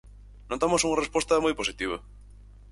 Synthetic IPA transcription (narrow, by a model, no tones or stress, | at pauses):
nõt̪amosuŋarespwot̪ɐmojposit̪iβ̞ɐ